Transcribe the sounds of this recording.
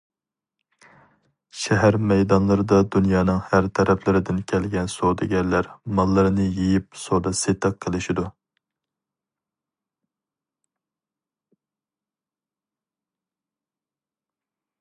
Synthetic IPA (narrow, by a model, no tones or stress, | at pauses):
ʃɛɦæɾmɛjd̪ɑnlˠɨɾɨd̪ɑd̪unjɑːnɨŋhæɾt̪ʰɛɾɛpʰlɪɾɪd̪ɪnkʲʰɛlɡʲɛnsod̪ɪɡʲɛllːæɾmɑlˠːɨɾɨnɨjejip̚sod̪ɑset̪ʰəqʰːəlˠɪʃid̪u